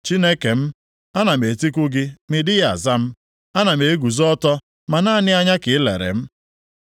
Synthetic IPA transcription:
t͡ʃi˦ne˦ke˨m̩˦ | a˦na˨me˨ti˦kʷʊ˦ɡɪ˦mɪ˨dɪ˦ɣa̰˨za˦m̩˦ | a˦na˨me˨e˦ɡu˨zɔ˦tɔ˦ | ma˨na˦˨nɪ˦a˦ɲa˦kɪ˨ɪ˦lḛ˨ɾḛ˨m̩˦

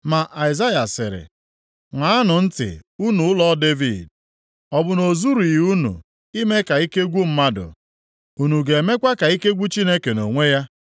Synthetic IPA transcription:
ma˨ʔa˨ɪ˨za˦ja˨sɪ̰˨ɾɪ̰˨ | ŋʷa˨a˦nʊ˨n̩˦tɪ̰˨u˦nu˨ʊ˦lɔ˦de˦vi˦˨d | ɔ˨bʊ˨no˨zu˦ɾu˨ju˦nṵ˨ | i˦me˦ka˨i˦ke˦ɡʷu˦m̩˦ma˦dʊ̰˨ | u˨nu˨ɡe˨e˨me˦kʷa˦ka˨i˦ke˦ɡʷu˦t͡ʃi˦ne˦ke˨no˨ŋʷe˦ja˦

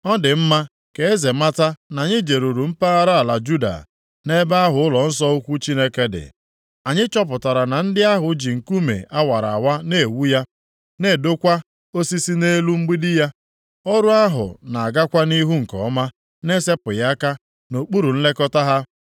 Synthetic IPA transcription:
ɔ˦dɪ˨m̩˦ma˦ | ke˨e˦ze˨ma˦ta˦na˨ɲɪ˦d͡ʒe˨ɾu˨ɾu˨m̩˦pa˦a˦ɾa˦a˨la˨d͡ʒu˦da̰˨ | ne˦ba˦a˦ɦʊ˨ʊ˦lɔ˨n̩˦s̬ɔ˦o˦kʷu˦t͡ʃi˦ne˦ke˦dɪ̰˨ | a˨ɲɪ˦t͡ʃɔ˦p̬ʊ˨ta˨ɾa˨na˨n̩˦dɪ˦a˦ɦʊ˨d͡ʒi˨ŋ̩˨ku˦mḛ˨ʔa˦wa˨ɾa̰˨a˨wa˦ne˦˨wu˦ja˦ | ne˦˨do˦kʷa˦ | o˦si˦si˦ne˦lu˦ŋ͡m̩˦ɡ͡bi˦dɪ˦ja˦ | o˦ɾu˦a˦ɦʊ̰˨na˨a˨ɡa˦kʷa˦ni˦ɦu˦ŋ̩˨kɔ̰˨˦ma˦ | ne˦se˦pʊ˨ja˦ka˦ | no˨k͡pu˦ɾu˨n̩˦le˦kɔ˦ta˦ɦa˦

